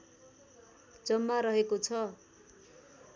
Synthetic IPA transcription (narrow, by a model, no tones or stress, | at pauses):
d͡zʌmːaɾʌɦekot͡sʰʌ